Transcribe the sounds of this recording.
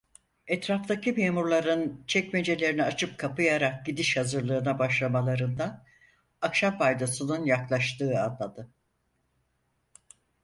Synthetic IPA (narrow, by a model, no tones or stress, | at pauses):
ɛt̪ɾaft̪acimeːmuɾlˠaɾɯnt͡ʃʰɛcme̞d͡ʒe̞lʲe̞ɾiniat͡ʃʰɯp̚kʰapɯjaɾak̚ɟid̪iʃhazɯɾlˠɯːnabaʃlˠamalˠaɾɯnd̪aː | kʃampʰajd̪asɯnɯnjaklˠaʃt̪ɯːad̪lad̪ɯ